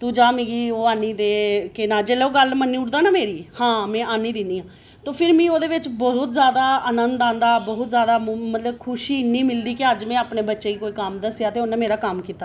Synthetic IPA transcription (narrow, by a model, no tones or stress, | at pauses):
t̪uːd͡ʒaːmĩːɡiːoːaːniːd̪eːkɪnaːd͡ʒeːleoːɡəlmənːiːʊʈd̪aːnaːmeːɾiːhãːmɛ̃ːʔaːniːd̪ɪniːãː | t̪oːpʰɪɾmĩːoːd̪eːʋɪt͡ʃbɔɦʊt̪zjaːd̪aːənənd̪ãːnd̪aːbɔːʊt̪zjaːd̪aːmət̪ləbkʰʊʃiːɪnːiːmɪld̪iːkeəd͡ʒmɛ̃ːaːpneːbətːʃeːiːkoːiːkəmd̪əsjaːt̪eːʊnːẽːmeːɾaːkəmkiːt̪aː